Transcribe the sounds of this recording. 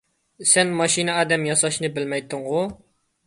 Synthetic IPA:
sɛnmɑʃinɨɑːd̪ɛmjɑsɑʃnɨbɪlmɛjt̪ʰːɨŋʁʊ

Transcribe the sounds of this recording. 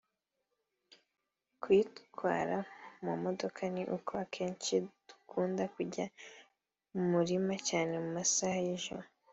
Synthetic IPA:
kwitkwa̰ːɾamumodo̞kʰaniʔukʰoakʰeːnt͡ʃid̥u̥kʰuːndakuɟa | mumuɾimacaːne̞mumasahajiʒo̰mo

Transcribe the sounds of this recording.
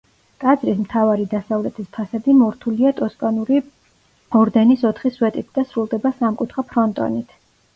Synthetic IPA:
kʼad̪zɾismt̪ʰavaɾid̪asavlɛt̪ʰispʰasad̪imɔɾt̪ʰuliat̪ʼɔskʼanuɾi | ɔɾd̪ɛnisɔt̪ʰχiswɛt̪ʼit̪̚ʰd̪asɾulˠd̪ɛbasamkʼut̪ʰχapʰɾɔnt̪ʼɔ̰nit̪ʰ

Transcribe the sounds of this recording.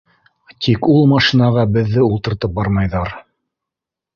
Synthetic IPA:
t̪ʰikulˠmɑʃinɑʁɑbɘ̆ðːɘulˠt̪ɤ̆ɾt̪ɤp̚bɑɾmɑjðɑɾ

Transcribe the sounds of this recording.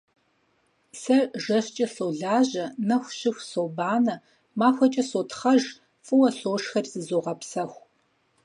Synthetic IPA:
sɐrʒɐɕt͡ʃʼɐɬoːɮaːʑɐnɐxʷɕɪxʷsoːbaːnɐ | maːxʷɐt͡ʃʼɐsoːtχɐʒ | fʼɨwɐɬoːʂxɐrzɨzoːʁɐpsɐxʷ

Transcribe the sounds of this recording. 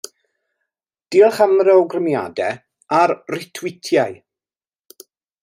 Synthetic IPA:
d̥iːlˠχamɾɛowɡrəmja̰dɛ | arrɪtʰwɪtʰjaj

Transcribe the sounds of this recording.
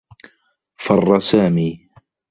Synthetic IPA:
fɑrˤːɑsaːmiː

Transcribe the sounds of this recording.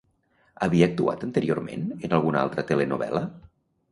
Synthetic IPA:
əβiəːk̚t̪ua̰t̪ənt̪əɾioɾmḛnənalˠɣ̞una̰lˠt̪ɾət̪elenuβɛ̰lə

